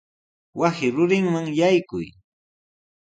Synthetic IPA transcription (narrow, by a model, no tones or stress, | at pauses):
wasɪɾʊɾɪŋmaŋjajkʊ̰j